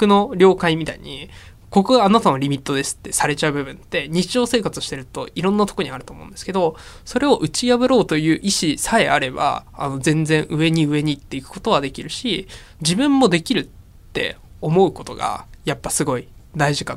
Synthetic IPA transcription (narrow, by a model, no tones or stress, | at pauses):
kɯ̟no̞ɾʲo̞ːkaimʲit̪a̰ḭɲ̟i | ko̞koɡaanat̪amoɾʲimʲit̪ːo̞d̪e̞sɨ̥t̪ːe̞saɾe̞t͡ɕaɯ̟bɯ̟bɯ̟̃nt̪ːe̞ɲ̟it͡ɕiʑo̞ːse̞ːkat͡sɨɕi̥t̪e̞ɾɯ̟t̪o̞̰iɾõ̞nːat̪o̞koɲ̟iaɾɯ̟t̪oːmõ̞ːnd̪eske̞d̪o̞ | so̞ɾe̞o̞ʔɯ̟t͡ɕijaβɯ̟ɾo̞ːt̪o̞jɯ̟ːʔiɕisae̞aɾe̞ba̰a̰no̞d͡zẽ̞nd͡zẽ̞ɰ̃ʔɯ̟e̞ɲ̟iɯ̟e̞ɲ̟iːt̪ːe̞ikɯ̥ko̞̥t̪o̞β̞ad̪e̞kʲiɾɯ̟ɕi | d͡ʑibɯ̟̃mːo̞d̪e̞kʲiɾɯ̟t̪ː | e̞̰omo̞ɯ̟ko̞t̪o̞ɡa̰japːasɨɡo̞i | d̪aiʑika